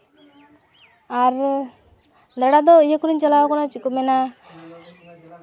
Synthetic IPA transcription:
aɾ | d̪ɾaɽad̪ɔijekuɾiɲt͡ʃalakɔnat͡ʃikɔmɛna

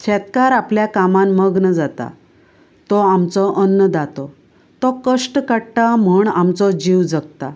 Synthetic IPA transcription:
t͡ɕʰɛt̪kaɾapljakamanməɡnəd͡zat̪a̰ | t̪ɔamt͡sɔʔənːəd̪at̪ɔ | t̪ɔkəʂʈkəɽʈam̤əɳamt͡sɔd͡ʑiwd͡zəɡt̪a

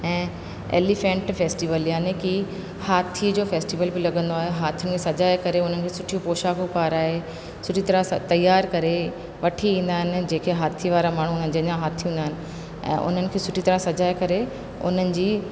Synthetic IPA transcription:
ɛ̃ː | ḛːlifẽːɳʈfeːsʈiʋəljaːneki | haːt̪ʰiəd͡ʑoːfeːsʈiʋəlbilɐɠə̃nd̪oaːɦeɦaːt̪ʰijʊnɪkʰeːsɐd͡ʑaːjkɐɾeʊn̤ənɪ̆kʰeːsʊʈʰijũpoːʃaːkopaːɾaːɦe | sʊʈʰit̪ɐɾat̪ɐjːaːɾkɐɾe | ʋɐʈʰiĩːnd̪aːɦɪnɪ̆d͡ʑeːkʰeɦaːt̪ʰiʋaːɾamaːɳ̤uʊnənɪ̆d͡ʑiɐɲãɦaːt̪ʰĩĩːnd̪aːɪnɪ̆ | ɛ̰̃ːʔʊ̰n̤ənɪ̆kʰeːsʊʈʰit̪ɐɾãsɐd͡ʑaːekɐɾe | ʊ̰n̤ənɪ̆d͡ʑiː

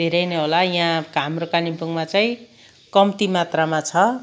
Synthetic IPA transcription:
d̪ʱeɾʌjnʌɦolajɦãkɦamrokanipuŋmat͡saĩ | kʌmt̪imat̪ramat͡sʰʌ

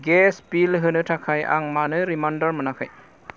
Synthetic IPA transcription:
ɡɛspilɦɯnɯtʰakʰaja̰ŋmanɯɾimandɔɹmɯnakʰaj

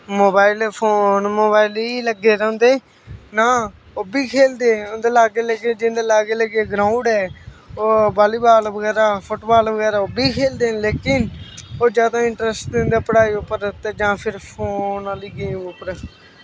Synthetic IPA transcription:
moːbaːɪlpʰoːnmoːbaːɪliːləɡːeːɾɛ̃ʊ̃nd̪eː | naː | obiːkʰeːld̪eːʊnd̪eːlaːɡeːləɡeːd͡ʒɪ̃nd̪eːlaːɡeːləɡeːɡɾãːʊɖɛːoːbaːliːbaːlbəɡɛːɾaːpʰʊʈbaːlʋəɡɛːɾaːʊbiːkʰeːld̪eːleːkɪnoːd͡ʒjaːd̪aːɪ̃ɳʈɾɛsʈd̪ẽːnd̪aːpəɽaːiːʊpːəɾət̪ɛːd͡ʒãːpʰɪɾpʰoːnaːliːɡeːmʊpəɾ

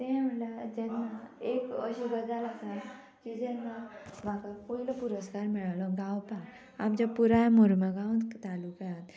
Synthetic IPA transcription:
t̪ɛ̃məɳlad͡ʑɛnːaekəɕiɡəd͡zalaɡat̪ | kid͡ʑɛnːam̤akakoiləpuɾəskaɾmiɭaʋlɔɡawpa | amt͡ɕapuɾajmoɾmaɡawnt̪alukaat̪

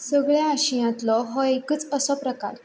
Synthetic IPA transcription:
səɡɭjaːɕijãt̪lɔɦɔekət͡səsɔpɾəka̰ɾ

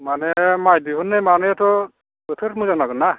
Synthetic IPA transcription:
manɛmajdiɦunːemanɛtɔ | ɯtʰɯɾmuzanaɡɯna

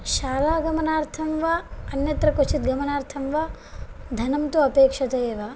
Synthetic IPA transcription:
ʃaːlaːɡɐmɐnaːɾt̪ʰɐmʋaɐnjɐt̪ɾɐkot͡ʃʰit̪ɡɐmɐnaːɾt̪ʰɐmʋa | d̪ʱɐnɐmt̪uɐpeːkʂɐt̪ɐeːʋa

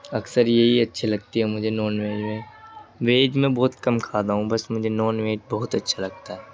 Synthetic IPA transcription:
ɐksəɾjeɦiɐtːʃʰelɐɡ̚t̪iɦɛmʊd͡ʒʱenɔːnʋeːd͡ʒmẽʋeːd͡ʒmẽbɔːʊt̪kɐmkʰaːd̪aːɦũbɐsmʊd͡ʒʱenɔːnʋeːd͡ʒbɔɦʊt̪ɐtːʃʰalɐɡ̚t̪aɦɛː

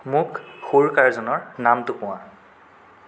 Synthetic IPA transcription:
mʊkxoɹkaɹzɔnɔɹnamtʊkʊwã

